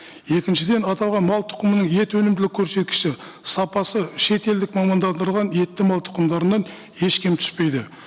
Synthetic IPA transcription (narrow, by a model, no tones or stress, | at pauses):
je̞kʲɪnʃɪd̪e̞nɑt̪ɑlˠʁɑnmɑlˠt̪ʰʊ̥qəmənəɴje̞t̪wɵnɪmd̪ɪlɪkʲʰːɵɾse̞t̪̚kʲɪ̥ʃɪ | sɑpɑsəʃe̞t̪e̞ld̪ɪkmɑmɑnd̪ɑnd̪əɾˠʁɑnje̞t̪ːɪmɑlˠt̪ʰʊ̥qəmd̪ɑɾənːɑn | e̞ʃkʲʰemt̪ʰʏ̥spe̞jd̪ɪ